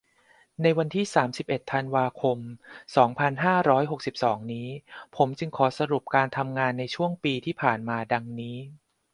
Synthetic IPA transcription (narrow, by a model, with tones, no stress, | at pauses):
na˧jwa˧nt̪ʰiː˥˩saː˩˦msi˨˩p̚ʔe˨˩t̪ʰːa˧nwaː˧kʰo˧msɔː˩˦ŋpʰa˧nɦaː˥˩ɾɔː˦˥jɦo˨˩k̚si˨˩p̚sɔː˩˦ŋniː˦˥pʰo˩˦mt͡ɕɯ˧ŋkʰɔː˩˦sa˧ɾu˨˩p̚kaː˧nt̪ʰa˧mŋaː˧nːa˧jt͡ɕʰu˥˩əŋpiː˧t̪ʰiː˥˩pʰaː˨˩nmaː˧da˧ŋniː˦˥